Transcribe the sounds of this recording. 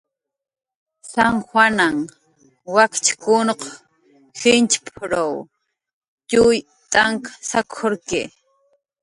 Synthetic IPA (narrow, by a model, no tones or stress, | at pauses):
saŋxwanaŋ | wakt͡ʃkʊnq | xɪnt͡ʃpʰɾaw | cʊj | t̪ʼaŋkḁsakʰoɾkɪ